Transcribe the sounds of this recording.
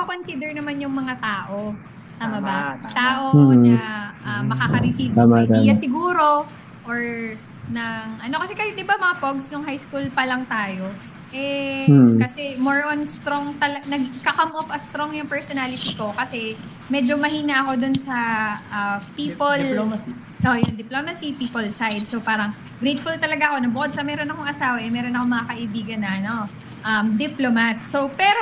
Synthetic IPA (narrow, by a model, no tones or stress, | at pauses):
pɐkonsiːd̪ɛɹnɐmanjʊŋmɐŋat̪aːʔo̞ | t̪aːmɐbatt̪aːʔo̞ʊaʔɐmːɐkakɐɾɪsiamat̪ːjasɪɡuːɾo̞ | ʔoɹ | nɐŋʔɐno̞kɐsɛkɐjɪt̪̚ɪbamɐŋapoɡsnʊŋhajskulpɐlɐŋt̪aːjo̞ | ʔɛ | kɐsɛmoɹʔonst̪ɾoŋt̪ɐlɐnɐɡkɐkamʔofɐst̪ɾoŋjʊŋpɛɹsonaːlɪt̪iko̞kɐsɛ | mɛːd͡ʒo̞mɐhiːnɐʔɐko̞d̪onsɐʔɐpiːpol | ʔojʊŋd̪ɪplomɐsipiːpolsajd̪̚sowpaːɾɐŋ | ɡɾɛjt̪̚fult̪ɐlɐɡaʔɐko̞nɐbʊkod̪̚sɐmɛɾo̞nɐkoŋɐsaːwɐʔɛmɛːɾonɐkomɐŋakɐʔɪbiːɡɐnːɐʔɐno | ʔɐmd̪ɪplomɐt̪̚sopɛːɾo